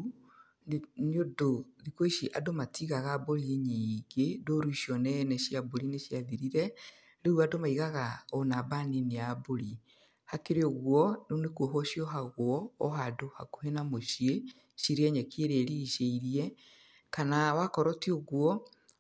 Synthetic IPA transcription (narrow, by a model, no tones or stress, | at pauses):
niodoðikweʃiʔadomatʰiɣaɣaboɾieɲiɡedoɾuiʃjɔnɛnɛɕjaboɾineʃjaðiɾiɾɛ | ɾeuadomaiɣaɣaɔnabanineaboɾi | hakeɾeoɣwɔnonekoɦɔʃiɔɦaɣwɔːɦadohako̥henamoʃie | ʃiɾeɛɲɛkʰeɾeɾiːʃeiɾiɛ | kanawakɔɾɔtioɣwɔ